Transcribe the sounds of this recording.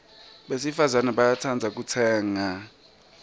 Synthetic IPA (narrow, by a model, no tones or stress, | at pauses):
ɓesifazanɛɓajatʰand͡zʱak̬utʰɛːŋa